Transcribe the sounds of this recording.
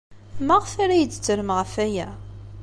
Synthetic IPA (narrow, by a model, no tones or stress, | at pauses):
mæʁfaɾæjət͡sːt͡sːəɾəmʁəfæjæ